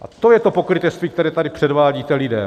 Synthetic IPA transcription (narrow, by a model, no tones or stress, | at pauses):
ʔat̪o̞jɛt̪o̞pokɾɪt̪ɛst̪viːkt̪ɛɾɛːt̪adɪpr̝̥ɛdvaːɟiːt̪ɛlɪdɛ̰ː